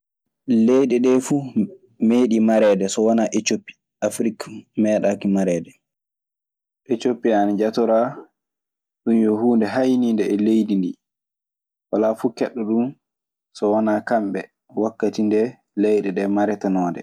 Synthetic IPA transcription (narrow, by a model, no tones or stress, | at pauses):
lejɗɛɗɛfuː | meːɗimaɾɛːdɛsɔwanaʔet͡ʃopːi̥ | ʔafɾikmɛːɗakimaɾɛːdɛ | ʔet͡ʃopːianad͡ʒatɔɾa | ɗunjɔhuːndɛɦajnindɛːlejdini | walafukɛɗːɔɗum | sɔwanaːkamɓɛ | ɔwakːatindɛ | lɛjɗɛɗɛmaɾɛtanɔːdɛ̰